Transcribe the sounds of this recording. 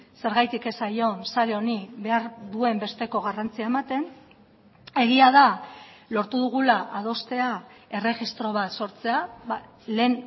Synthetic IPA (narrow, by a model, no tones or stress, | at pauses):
se̞ɾɣajt̪ike̞sajo̞nsaɾeo̞niβe̞aɾðue̞mbe̞st̪e̞ko̞ɣ̞arant͡siaemat̪e̞n | e̞ɣiaðalo̞ɾt̪uðuɣ̞ulaʔað̞o̞st̪e̞ae̞re̞ɣist̪ɾo̞β̞at̪so̞ɾt͡se̞a | le̞n